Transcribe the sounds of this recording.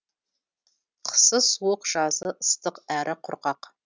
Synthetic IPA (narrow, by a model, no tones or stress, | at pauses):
qʰə̥səswʊqʒ̥ɑzəʔəst̪ʰəqæɾʔɨqʰʊrqɑq